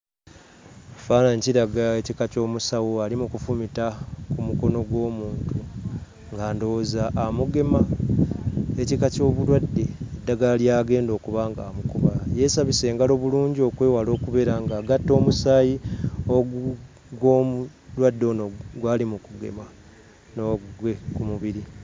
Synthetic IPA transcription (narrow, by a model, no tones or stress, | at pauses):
faːnaɲciɾaɡaecikaco̞ːmusawoalimukufumitakumuko̞no̞ɡwo̞ːmuːntʰu | ŋɡaːndo̞zaʔːmuɡe̞ma | ecikaco̞ːβulwadːe̞ːdːaɡalljaːɡe̞ːndo̞ːkuβaŋɡa̰ːmukuβaje̞saβise̞ːŋɡalo̞ːβuluːɲɟio̞kwe̞ːwalo̞ːkuβe̞ɾaŋɡaːɡatːo̞ːmusaːjioɡu | ɡwomu | lwadːo̞ːnoɡwaːlimukuɡe̞̰ma | noɡwe̞kumuβiɾi